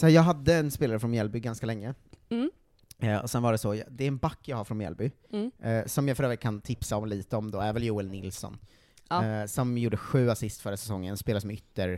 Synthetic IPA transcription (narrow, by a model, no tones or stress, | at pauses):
sɔhæːɾjɑːɡɦad̪ːəɛnspeːlaɾəfɾɔnjɛlbʏɡanskalɛŋːə | ɔ̰sɛnvaɖɛsɔjd̪ɛɾɛnbakːjaɡhaɾfɾɔnjɛ̰lbʏ | sɔmjafœɾøːvɾɪɡkʰant̪ʰɪpsaɔmliːt̪əɔmd̪oːæɾvɛljuːɛlnɪlsɔ̰n | sɔmjuːɖəɧʉ̟ːasɪst̪fœɾəsɛsɔŋːənɛnspeːlaɾsɔmɛʏt̪ːəɾ